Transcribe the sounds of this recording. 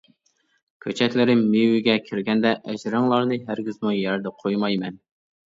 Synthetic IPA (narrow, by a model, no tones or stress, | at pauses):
kʲʰøt͡ʃʰɛk̪ʲlɪɾɪmmiwɪɡʲɛkʲʰɪɾɡʲɛnd̪ɛʔɛd͡ʒɾɨŋlˠɑɾnɨɦæɾɡʲizmujæɾd̪ɛqʰojmɑjmɛn